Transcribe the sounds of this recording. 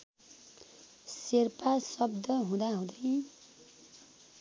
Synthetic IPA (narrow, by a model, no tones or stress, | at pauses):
serpasʌb̚d̪ʱʌɦũd̪aɦũd̪ʌj